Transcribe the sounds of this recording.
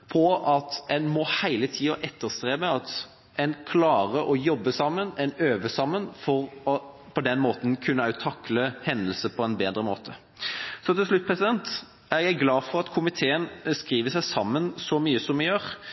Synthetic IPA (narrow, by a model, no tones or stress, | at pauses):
pʰɔɑt̪ɛnmɔhæɪlət̪ʰiːɑʔɛt̪ːəʁst̪ʁeːməɑt̪ | ɛnkʰlɑːʁəʔɔjɔbːəsɑmːənɛnøːʋəsɑmːənfɔʁɔpʰɔd̪ɛnmoːt̪ən̩kʰʉnːəɑʉt̪ʰɑkːləhɛnd̪əlsəpʰɔɛnbeːd̪ɾəmoːt̪ʰə | sɔt̪ɪlslʉt̪̚ːpʰʁɛsɪd̪ɛnt̪ | æʁjæɪɡlɑːfɔɾʁɑt̪kʰʊmɪt̪ʰeːənskʁiːʋəsæɪsɑmːənsɔmyːəsɔmɛnjøːʁ